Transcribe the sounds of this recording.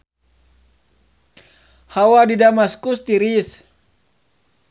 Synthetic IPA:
hawadidamaskust̪iɾis

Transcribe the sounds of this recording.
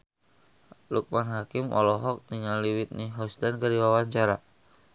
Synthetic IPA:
luk̚manɦakimʔɔ̰lɔɦɔk̚niŋaliwit̪̚niɦɔst̪ankərdiwawaɲt͡ʃaɾa

